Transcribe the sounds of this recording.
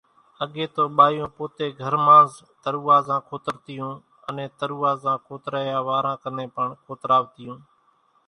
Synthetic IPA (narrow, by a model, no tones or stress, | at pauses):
əɠeːt̪oːɓaːjõːpoːt̪eːɡʱəɾmãːz | t̪əɾuːaːzãːkʰoːt̪əɾt̪ɪjũː | ənẽːt̪əɾuːaːzãːkʰoːt̪ɾaːjaːʋaːɾãːkənẽːpəɳkʰoːt̪ɾaːʋt̪ɪjũː